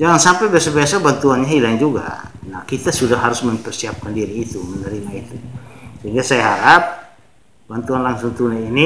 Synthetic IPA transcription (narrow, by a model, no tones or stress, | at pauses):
d͡ʒaŋansampɛbiasabiasabant̪uanɲaɦilaŋd͡ʒuɡa̰nahkit̪asudahɦaɾʊsməmpɛrsiap̚kandiɾiːt̪umənəɾimait̪usəɦiŋɡasajaɦaɾap̚ | bant̪uanlaŋsʊŋt̪unaini